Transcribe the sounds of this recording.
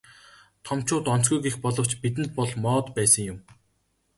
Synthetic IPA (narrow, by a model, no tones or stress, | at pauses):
t̪ʰɔmt͡ɕʊːt̪ɔn̥t͡sɡujɡexpɔɮɞ̆w̥t͡ɕpit̪ɘ̆nt̪̚pɔɮmɔːt̪pæːsə̆ŋjʊm